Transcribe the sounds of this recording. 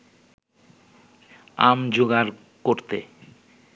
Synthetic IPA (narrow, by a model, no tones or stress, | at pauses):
amd͡ʑoɡaɾ | koɾt̪ḛ